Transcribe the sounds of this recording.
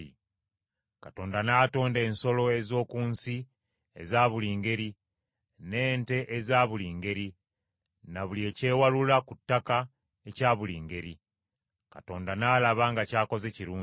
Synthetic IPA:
i | kato̞ːndanaːto̞ːnde̞ːnso̞lo̞e̞zo̞ːkuːnsi | ḛzaːβuliːŋɡe̞ɾi | ne̞ːnte̞ʔezaːβuliːŋɡe̞ɾi | naβulie̞ːce̞ːwalulakutːaka | ecaːβuliːŋɡe̞ɾi | kato̞ːndanaːlaβaŋɡacaːko̞ze̞ciɾuː

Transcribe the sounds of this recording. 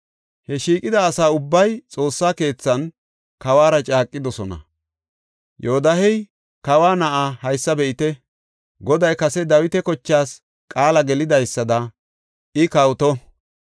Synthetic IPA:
hɛʃiːkʼɪd̪ɐːsaːʊbːɐjt͡sʼo̞ːsːaːke̞ːt͡sːɐn | kɐwaːɾɐt͡ʃʼaːkʼːɪd̪ɔsɔnɐ̰ | joːd̪ɐɦɛj | kɐwaːnɐʔaːhɐjsːɐbɛʔɪt̪ɛ | ɡɔd̪ɐjkɐsɛd̪ɐwɪt̪ɛkɔt͡ʃːaːs | kʼaːlɐɡɛlɪd̪ɐjsːɐd̪ɐ | ɪkɐwt̪ɔ

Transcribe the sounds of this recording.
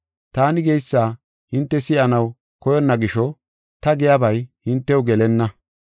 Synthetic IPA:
t̪aːnɪɡɛjsːaː | hɪnt̪ːɛsɪʔɐnɐw | kɔjɔnːɐɡɪʃɔ | t̪ɐɡɛjabɐjhɪnt̪ːɛwɡɛlɛnːɐ

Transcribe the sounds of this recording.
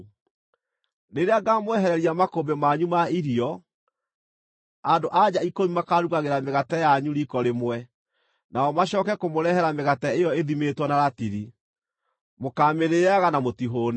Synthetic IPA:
neɾeaɡamwɛɦɛɾɛɾiamakobemaɲumaiɾiɔ | adoʔad͡ʑaikomimakaɾuɣaɣeɾameɣatɛjaɲuɾikɔɾemwɛ | naɔmaɕɔːkɛkomoɾɛhɛɾameɣatɛejɔeðimetwɔnaɾatiɾi | mokaːmeɾeaɣanamotiɦoːn

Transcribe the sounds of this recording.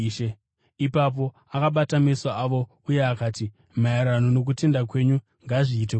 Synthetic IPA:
ʃe | ipap̬o̞ | akaɓatamesaaʋo̞ | uje̞akaːti | maeɾano̞no̞k̬ute̞ndak̬we̞ɲu | ŋɡaʐiːte

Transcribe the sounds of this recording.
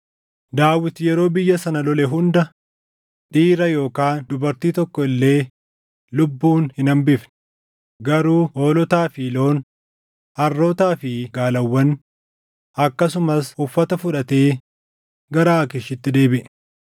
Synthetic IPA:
d̪aːwɪt̪jɛɾo̞ːbɪjːɐsɐnɐlɔlɛɦʊnd̪ɐ | ᶑiːɾɐjo̞ːkaːnd̪ʊbɐɾt̪iːt̪ɔkːɔɪlːe̞ː | lʊbːuːnhɪnɐmbɪfn | ɡɐɾuːʔo̞ːlɔt̪aːfilo̞ːn | ɐrːoːt̪aːfɪɡaːlɐwːɐn | ɐkːɐs̬ʊmɐsʊfːɐt̪ɐfʊᶑɐt̪eː | ɡɐɾaːɐkɪʃɪt̪ːɪd̪e̞ːbɪʔɛ

